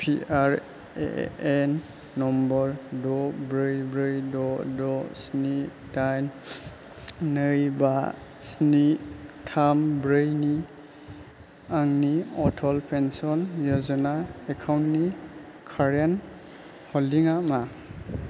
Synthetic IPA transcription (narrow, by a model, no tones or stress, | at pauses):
pʰiaɾ | ḛɛnː | ɔmbɔɾdɔbɾɯjbɾɯjdɔdɔsni | dajn | nɯjba | snitʰambɾɯjni | aŋniɔtʰɔlpʰensɔnjɔzɔnaekʰawntni | kʰaɾjan | hɔldiŋama